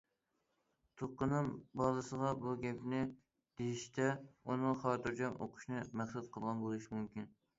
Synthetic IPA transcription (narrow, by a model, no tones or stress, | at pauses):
t̪ʰoqːənɨŋbɑːlˠɨsəʁɑbuɡʲɛpnɪ | d̪̥ejiʃt̪ʰɛunɨŋχɑːt̪ɨɾd͡ʒɑnʔo̰qʰʊ̥ʃnɨmɛχsɛt̪qʰəlˠʁɑnbolˠɨʃimumkʲin